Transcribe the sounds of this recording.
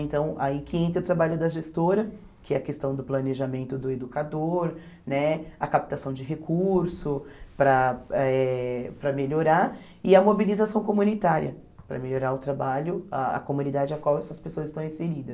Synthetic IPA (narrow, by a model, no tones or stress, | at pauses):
ẽnt̪ɐ̃w̃a̰ikɪẽnt̪ɾʊt̪ɾabaʎʊd̪ɐʒest̪oɾɐ | kɪɛɐkest̪ɐ̃w̃d̪ʊplɐneʒamẽnt̪ʊd̪ʊed̪ukad̪oɾ | nɛɐkap̚t̪asɐ̃w̃d͡ʒɪɦekʰuɾsʊpɾɐɛpɾɐmeʎoɾaɾ | ɪɐmobilizasɐ̃w̃komunit̪aɾiɐ | pɾɐ̰meʎoɾaɾʊt̪ɾabaʎʊaɐ̰komũnid̪ad͡ʒɪakwawɛsɐspesoɐzɪst̪ɐ̃w̃ĩseɾid̪ɐs